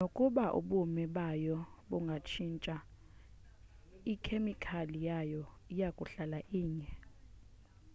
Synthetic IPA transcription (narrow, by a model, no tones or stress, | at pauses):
nokʼuɓaʔṵɓumɛɓajɔɓuŋɡʱat͡ʃʰint͡ʃʼa | ikʰemikʰalijajɔijakʼuɬalaʔiːɲɛ